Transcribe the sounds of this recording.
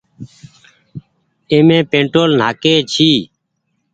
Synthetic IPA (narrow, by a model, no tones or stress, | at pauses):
eːmẽːpẽːɳʈoːln̤aːkeːt͡ʃʰiː